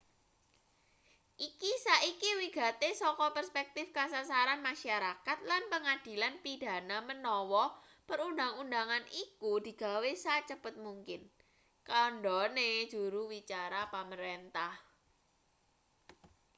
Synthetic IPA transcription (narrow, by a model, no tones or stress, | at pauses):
ʔikisaʔikiwiɡ̥a̤t̪esɔkɔpərspɛk̚t̪ɪfkasasaɾanmaʃaɾakat̪̚lanpəŋad̪̥i̤lanpid̪̥a̤namənɔwɔ | pəɾundaŋundaŋanʔikud̪̥i̤ɡ̥a̤wesat͡ʃəb̥ət̪̚muŋkɪn | kaɳɖɔne̥ʒ̥uɾuwit͡ʃaɾapaməɾent̪ah